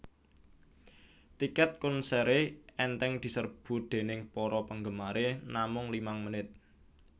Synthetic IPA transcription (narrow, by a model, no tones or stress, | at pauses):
t̪ikɛt̪̚kʊnsɛɾeɛnt̪ɛŋd̪̥i̤sərb̥ṳd̪̥e̤nɪŋpɔɾɔpəŋɡəmaɾenamʊŋlimaŋmənɪt̪̚